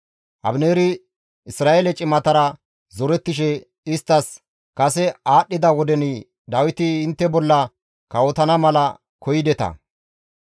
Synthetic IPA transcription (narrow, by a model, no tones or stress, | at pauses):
ʔɐ̰bneːɾɪ | ɪsɾaːʔeːlɛt͡ʃʼɪmɐt̪ɐɾɐ | zɔɾɛt̪ːɪʃɛ | ɪst̪ːɐs | kɐsɛaːɗːɪd̪ɐwɔd̪ɛnɪ | d̪ɐwɪt̪ɪːnt̪ːɛbɔlːɐ | kɐwɔt̪ɐnɐmɐlɐ | kɔjɪd̪ɛt̪ɐ̰